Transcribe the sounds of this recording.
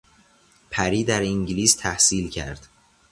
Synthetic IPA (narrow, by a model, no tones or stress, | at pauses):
pʰæɾiːd̪æɾiŋɟliːst̪ʰæhsiːlcʰæ̰ɾd̪̥